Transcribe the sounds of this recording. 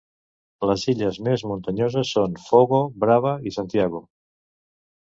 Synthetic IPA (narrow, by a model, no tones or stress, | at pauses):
ləziʎəzmezmunt̪əɲozəsːonfoɣobɾaβəisant̪iaɣo